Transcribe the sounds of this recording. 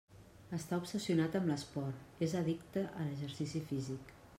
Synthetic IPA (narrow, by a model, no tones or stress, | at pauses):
əst̪aupsəsiunat̪əmləspɔɾt̪ezəðikt̪əʔələʒəɾsisifizik